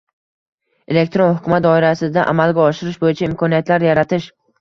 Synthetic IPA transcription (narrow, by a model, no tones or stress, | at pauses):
e̞lek̚ʲt̪ɾonhʊkʲʰʊmat̪̚d̪ɒɪɾasɪd̪aʔa̰malɡʲaɒʃɪɾɪʃbojɪt͡ʃʰaɪmkʰɒnijat̪laɾjaɾat̪ʰɪʃ